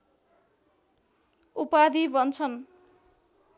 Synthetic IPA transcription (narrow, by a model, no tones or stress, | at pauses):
upad̪ibʌnt͡sʰʌn